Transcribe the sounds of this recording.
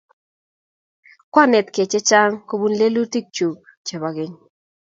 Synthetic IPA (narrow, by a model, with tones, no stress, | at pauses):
kwa˦˨nɛ˨tke˨t͡ʃɛ˦t͡ʃa˦ŋko˦bu˦nle˦lu˦ti˦k̚t͡ʃu˨k̚ | t͡ʃɛ˨βa˨ɡɪ˦ŋ